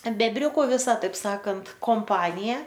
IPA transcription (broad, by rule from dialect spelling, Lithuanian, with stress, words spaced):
bʲɛbʲˈrʲʊkʊ ʋʲɪˈsɐ tɐɪp ˈsɑːkɐnt koːmˈpɑːnʲɪjɛ